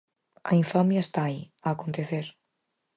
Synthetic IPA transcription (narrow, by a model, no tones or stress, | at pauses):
a̰iɱfamjaest̪aiaːkont̪eθeɾ